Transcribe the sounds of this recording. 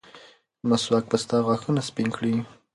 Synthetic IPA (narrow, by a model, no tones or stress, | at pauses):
maswak̚past̪ɑɣwɑxunaspinkɽi